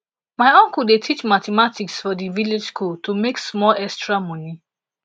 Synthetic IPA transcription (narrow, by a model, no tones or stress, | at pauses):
maɪɔ̃ŋkudetʰit͡ʃmatɛmatiksfɔdiviled͡ʒskʰultʰumeksmɔlɛstɹamɔ̃ni